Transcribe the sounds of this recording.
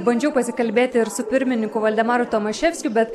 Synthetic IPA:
bɐnʲd͡ʒʲɛʊpɐsʲɪkɐlʲbʲeːt̪ʲɪɪɾsʊpʲɪɾʲmʲɪnʲɪŋkʊʋɐlʲd̪ʲɛmɑːɾʊt̪omɐʃʲɛfʲsʲkʲʊbʲɛt̪

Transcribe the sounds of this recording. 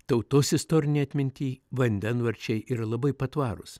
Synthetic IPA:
t̪ɐʊt̪osɪst̪oːɾʲɪnʲiːɐt̪ʲmʲɪnʲt̪ʲiːʋɐnʲd̪ʲɛnʋɐɾʲt͡ʃʲɛɪʔiːɾɐlˠɐbɐɪpɐt̪ʋɑːɾʊ̰s

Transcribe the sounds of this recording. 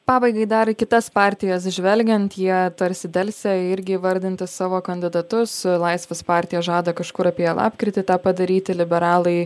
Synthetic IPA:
pɑːbɐɪɡɐɪd̪ɐɾkʲɪt̪ɐspɑːɾʲt̪ʲɪjɛs̬ʒʲʋʲɛlʲɡʲɛnt̪jiɛt̪ɐɾʲsʲɪd̪ʲɛlʲsʲɛɪɾʲɡʲɪʋɐɾʲd̪ʲɪnʲt̪ʲɪssɑːʋoːkɐnʲd̪ʲɪd̪ɐt̪ʊslˠɐɪsʲʋʲɛspɑːɾʲt̪ʲɪjɛʒɑːd̪ɐkɐʃkʊɾɐpʲiɛɛlˠɑ̰ːpʲkɾʲɪt̪ʲɪt̪ɑːpɐd̪ɐɾʲiːt̪ʲɪlʲɪbʲɛɾɑːlˠɐɪ

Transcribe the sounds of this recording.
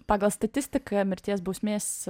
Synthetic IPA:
pɑːɡɐlˠst̪ɐt̪ʲɪsʲt̪ʲɪkɐmʲɪɾʲt̪ʲiɛsbuʊsʲmʲeːsʲ

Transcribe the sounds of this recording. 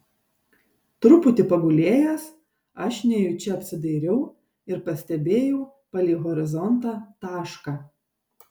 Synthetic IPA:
t̪ɾʊpʊt̪ʲɪpɐɡʊlʲeːjɛs | ɐʃnʲɛjʊt͡ʃʲɛɐpʲsʲɪd̪ɐɪɾʲɛʊ | ɪɾpɐsʲt̪ʲɛbʲeːjɛʊ | pɐlʲiːɣɔɾʲɪzɔnt̪ɑːt̪ɑːʃkɑː

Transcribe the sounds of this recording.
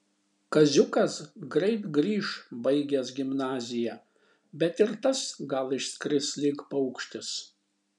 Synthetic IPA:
kɐzʲʊkɐsɡɾɐɪt̪ɡɾʲiːʃbɐɪɡʲɛsɡʲɪmnɑːzʲɪjæː | bʲɛt̪ɪɾt̪ɐsɡɐlˠɪʃskɾʲɪslʲɪkpɐʊkʃʲt̪ʲɪs

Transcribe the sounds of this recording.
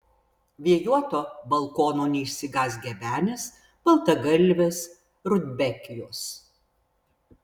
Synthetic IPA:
ʋʲiɛjuɔt̪oːbɐlˠkoːnoːnʲɛɪʃʲsʲɪɡɑːsɡʲɛbʲæːnʲɛs | b̥ɐlˠt̪ɐɡɐlʲˑʋʲeːs | ɾʊd̪ʲbʲɛkʲɪjoːs

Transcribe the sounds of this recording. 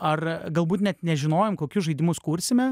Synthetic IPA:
ɐrɡɐlˠbuːt̪nʲɛt̪nʲɛʒʲɪnoːjoːmkoːkʲʊsʒɐɪd̪ʲɪmʊskuːɾʲsʲɪmʲɛ

